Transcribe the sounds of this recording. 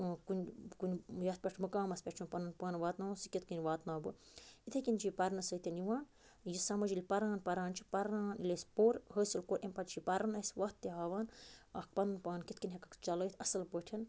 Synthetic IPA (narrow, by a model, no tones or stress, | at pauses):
kunʲkunʲjɐt̪̚pʲɐʈʰmɐkaːmɐspʲeʈʰunpɐnɨnpaːnʋaːt̪naːusikʲit̪̚ʰkinʲʋaːt̪naːbɨ | it̪ʰekʲint͡ʃipɐɾnɐsəːt̪ʲɐniʋaːn | jisɐmɐd͡ʒilʲpɐɾaːnpɐɾaːnt͡ʃʰi̥pɐɾnaːnilʲespoɾhəːsilkoːɾʔempɐt̪t͡ʃʰipɐɾɐnɐsʋɐːt̪ːiɦaːʋaːnɐk̚pɐnɨnpaːnkit̪̚kinʲɦekɐkt͡ʃɐləːt̪ʰɐsɐlpəʈʰin